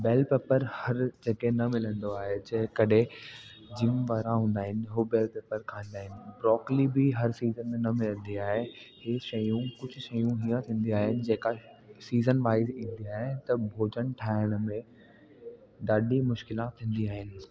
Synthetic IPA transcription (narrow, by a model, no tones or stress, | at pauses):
beːlpeːpəɾhɐɾd͡ʑeːkenɐmɪlə̃nd̪oaːɦed͡ʑɐɦɪkɐɗɦe | d͡ʑɪmʋaːɾãɦũːn̆d̪aːɦɪnɪ̆ɦʊbeːlpeːpəɾkʰãːnd̪aːɦɪnɪ̆bɾɔːklibɪɦɐɾsiːzənmẽnɐmɪlə̃nd̪iaːɦehɪʃɐjũkʊd͡ʑʱʊʃɐjũɦiːə̃t̪ʰĩːn̆d̪iaːɦɪnɪ̆d͡ʑeːka | siːzənʋaːɪzĩːn̆d̪iaːɦɪnɪt̪ɐbʱoːd͡ʑəɽ̃ʈʰaːɪɽ̃mẽ | ɖaːɗimʊʃkɪlãt̪ʰĩːn̆d̪iaːɦɪnɪ̆